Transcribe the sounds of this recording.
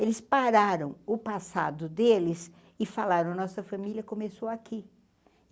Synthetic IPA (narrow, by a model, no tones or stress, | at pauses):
elɪspaɾaɾɐ̃w̃ʊpasa̰d̪ʊd̪elɪs | ɪfalaɾɐ̃w̃nɔsɐfamiljɐkomesowaki